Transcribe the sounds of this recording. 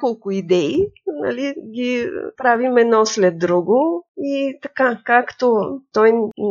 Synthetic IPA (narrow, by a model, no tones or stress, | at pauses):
kolˠkʊid̪ɛina̰liɡʲipɾavimɛd̪nɔslɛd̪ːɾuɡoit̪ɐ̥kakakt̪ot̪ɔj